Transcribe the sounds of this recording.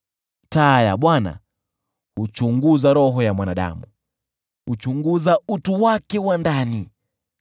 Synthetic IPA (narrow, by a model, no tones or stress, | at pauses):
taːjaɓwana̰ | ut͡ʃuŋɡuzaɾɔɦɔjamwanaɗa̰mu | ut͡ʃuŋɡuzautuwakɛwandani